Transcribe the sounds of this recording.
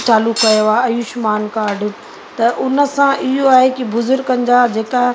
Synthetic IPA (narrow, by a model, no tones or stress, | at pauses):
t͡ɕaːlukɐjoaːɐjʊʃmaːnkaːɾɖ | t̪ɐʔʊnə̆sãʔɪɦoaːɦekibʊzʊɾɡɐ̃nɪ̆d͡ʑad͡ʑeːka